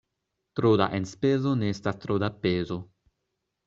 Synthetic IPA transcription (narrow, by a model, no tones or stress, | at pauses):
t̪ɾod̪a̰ʔenspeːzoneest̪ast̪ɾod̪apeːzo